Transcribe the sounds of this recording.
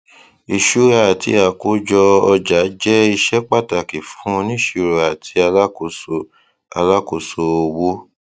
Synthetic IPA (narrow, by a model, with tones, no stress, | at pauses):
i˨ʃu˨˦a˦˨tḭ˧˦a˨ko˨˦d͡ʒɔ˧ɔ˧d͡ʒa˨˦d͡ʒɛ˦i˧ʃɛ˦k͡pa˦˨ta˨ki˨fũ˨˦ũ˧nĩ˦ʃi˦˨ɾo˨a˨tʰi˧˦a˧la˦ko˧so˧ | a˧la˦ko˧so˧o˧wo˦